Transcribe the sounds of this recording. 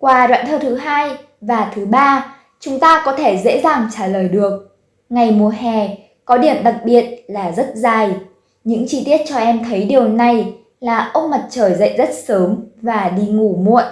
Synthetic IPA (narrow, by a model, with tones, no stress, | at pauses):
kwaː˨˩ɗw̰a̰ː˧˨nt̪ʰəː˧˩t̪ʰɨ˨˦ɦaː˧j | vaː˨˩t̪ʰɨ˨˦ɓaː˧ | t͡ɕʊ˨˦ŋ͡mt̪aː˧kɔ˨˦t̪ʰe˧˩zḛ˧˥zaː˨˩ŋt͡ɕaː˧˩ləː˨˩jɗɨ˨˩ək̚ | ŋa˨˩jmu˨˩əhɛ˨˩ | kɔ˨˦ɗi˧˩əmɗa˨˩t̚ɓi˨˩ət̚laː˨˩zə˦˥t̚zaː˧˩j | ɲɨ̰˧˥ŋt͡ɕi˧t̪i˦˥ət̚t͡ɕɔ˧ʔɛ˧mt̪ʰə˨˦jɗi˨˩əwna˨˩j | laː˨˩ʔə˦˥k͡p̚mə˨˩t̚t͡ɕəː˧˩jzə̰˧˨jzə˦˥t̚səː˨˦ŋvaː˨˩ɗi˧ŋu˧˩mṵ˧˨ənʔ